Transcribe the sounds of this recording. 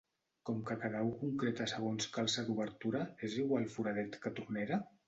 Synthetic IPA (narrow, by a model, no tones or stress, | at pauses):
kɔmkakaðaukuŋkɾet̪asəɣ̞onskalˠsad̪uβəɾt̪uɾaeziwalˠfuɾaðɛt̪kət̪urneɾa